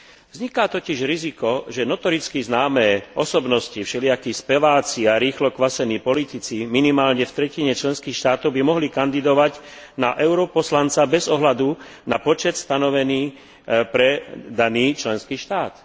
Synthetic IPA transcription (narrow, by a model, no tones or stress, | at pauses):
vzɲikat̪ɔciʒɾizikɔʒɛnɔt̪ɔɾit͡skiznaːmɛːʔɔsɔbnɔscifʃɛlɪakispɛʋaːt͡siaɾiːxlɔkʋasɛniːpɔlit̪it͡siminimaːlɲɛft̪ɾɛciɲɛt͡ʃlɛnskiːxʃt̪aːt̪ɔʊbimɔɦlikand̪id̪ɔʋaɟ | naʔɛʊɾɔpɔslant͡sabɛzɔɦlad̪u | na̰pɔt͡ʃɛt̪st̪anɔʋɛniː | pɾɛd̪aniːt͡ʃlɛnskiːʃt̪aːt̪